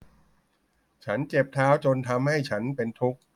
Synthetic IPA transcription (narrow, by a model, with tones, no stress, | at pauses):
t͡ɕʰa˦˥nt͡ɕe˨˩p̚t̪ʰaː˦˥wt͡ɕo˧nt̪ʰa˧mha˥˩jt͡ɕʰa˦˥npe˧nt̪ʰu˦˥k̚